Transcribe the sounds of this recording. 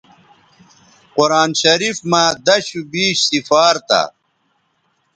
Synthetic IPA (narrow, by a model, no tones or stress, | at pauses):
quɾaːnɕɐɾifmãd̪ɐɕubiːɕsifaːɾt̪a̰